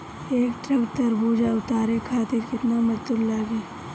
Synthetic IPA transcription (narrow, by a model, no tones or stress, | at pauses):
eːkʈɾɐkt̪ɐɾbuːd͡ʒaʊt̪aːɾekʰaːt̪ɪɾkɪt̪namɐɾt̪ʊllaːɡeː